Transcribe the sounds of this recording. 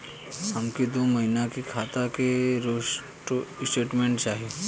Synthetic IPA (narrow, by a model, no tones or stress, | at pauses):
ɦɐmkid̪oːmɐɦɪnakikʰaːt̪akeɾoːʃ | ʈosʈeːʈmẽɳʈt͡ʃaːɦi